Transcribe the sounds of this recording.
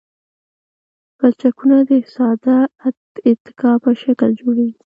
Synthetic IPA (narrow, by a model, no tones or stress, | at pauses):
b̥at͡ʃakunad̪əsɑd̪ad̪ɪt̪ɪ̥kɑpəʃakəld͡ʒoɽaɡi